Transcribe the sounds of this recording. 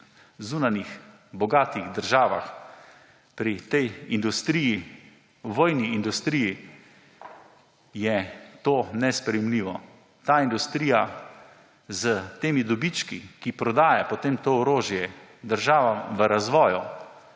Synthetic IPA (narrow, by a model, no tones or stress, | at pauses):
zuːnanix | bɔɡaːt̪iɣd̪əɾʒaːʋa̰x | pɾit̪ɛjind̪ust̪ɾiːji | wʋɔːjniːnd̪ust̪ɾiji | jɛt̪oːnɛspɾɛjɛmliːʋɔ | t̪aːind̪ust̪ɾiːja | zət̪eːmid̪ɔbit͡ʃkikipɾɔd̪aːjapɔt̪eːmt̪oːɔɾoːʒjɛd̪əɾʒaːʋamʋəɾazʋɔːju